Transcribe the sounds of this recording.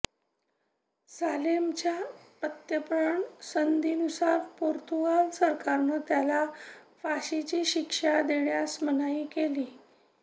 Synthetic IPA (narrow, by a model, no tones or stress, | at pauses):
salemt͡ɕjapət̪jəpɾəɳsənd̪iːnusaɾpoɾt̪uʋalsəɾkaɾnəːt̪jalafaɕit͡ɕiːɕikʂad̪eɳjasmənaiːkeliː